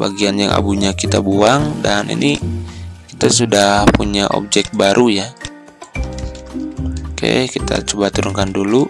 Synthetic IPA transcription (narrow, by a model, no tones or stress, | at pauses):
baɡianjaŋʔa̰buɲakit̪abuaŋdanḭni | kit̪asudahpuɲaʔɔ̰p̚d͡ʒɛk̚t̪̚baɾʔuja | ka̰kit̪a̰t͡ʃubat̪uɾuŋkandulu